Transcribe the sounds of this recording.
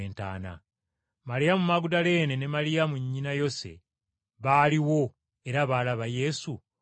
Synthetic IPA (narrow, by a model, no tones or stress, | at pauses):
eːnta̰ːna̰ | malijamumaɡudale̞ːne̞ne̞malijamuɲːinajo̞se̞̰ | βaːliwo̞ | e̞ɾaβaːlaβaje̞su